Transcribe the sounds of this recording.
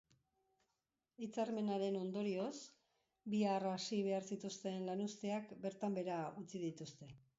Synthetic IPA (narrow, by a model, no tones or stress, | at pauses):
it͡saɾme̞naɾe̞no̞nd̪o̞ɾio̞s | biarasiβ̞e̞aɾsit̪ust̪e̞nlanust̪eakbe̞ɾt̪ambe̞ɾaut͡sið̞it̪ust̪e̞